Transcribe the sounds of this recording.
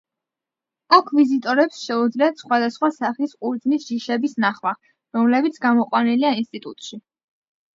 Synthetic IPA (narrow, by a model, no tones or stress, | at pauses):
akʰvizit̪ʼɔɾɛpsʃɛud̪zliat̪sχwad̪asχwasaχiskʼuɾd̪znisʒiʃɛbisnaχma | ɾɔmlɛbit̪sʰɡamɔqʼwaniliainst̪ʼit̪ʼut̪ʼʃi